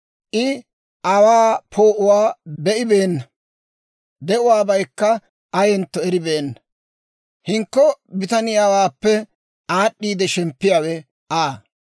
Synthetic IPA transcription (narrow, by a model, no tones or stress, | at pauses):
ʔɪ | ʔɐwaːpʰo̞ːʔʊwaːbɛʔɪbeːnːɐ | d̪ɛʊwaːbɐjkːɐ | ɐjɛnt̪ːɔɛɾɪbe̞ːnːɐ | hɪŋkːɔbɪt̪ɐnɪjaːwaːpːɛ | aːɗːiːd̪ɛʃɛmpːɪjaːwɛ | ʔaː